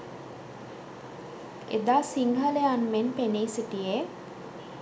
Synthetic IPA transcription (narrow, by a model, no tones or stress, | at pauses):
ḛd̪aːsiŋɦəleanmenpeniːsiʈije